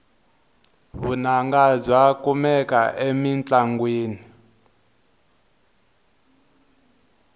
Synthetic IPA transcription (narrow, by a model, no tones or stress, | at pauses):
βunaŋɡazwakumɛka̰ʔemint͡ɬaŋɡwiːni